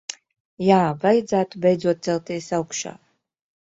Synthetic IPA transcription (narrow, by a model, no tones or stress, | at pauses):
jaːvajd̪zæːt̪ubɛjd̪zuɔt̪̚t̪ɛlˠt̪iɛsawkʃa̰ː